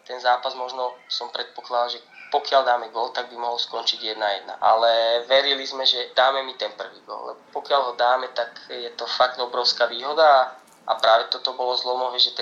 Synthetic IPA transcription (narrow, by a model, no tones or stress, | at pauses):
t̪ɛnzaːpazmɔʒnɔsɔmpɾɛt̪̚pɔklad̪alʒɛpɔkɪald̪aːmɛɡɔlt̪aɡ̚bimɔɦɔlskɔnt͡ʃiɟjɛd̪najɛd̪na̰ʔalɛʋɛɾilizmɛʒɛd̪aːmɛmit̪ɛnpr̩ʋiːɡʊɔ̰lːlɛ̰bɔpɔkɪalɦɔd̪aːmɛt̪akjɛt̪ɔfakt̪ɔbɾɔʊskaːʋiːɦɔd̪a | ʔa̰pɾaːʋɛt̪ɔt̪ɔbɔlɔzlɔmɔɦɛʒɛt̪ɛ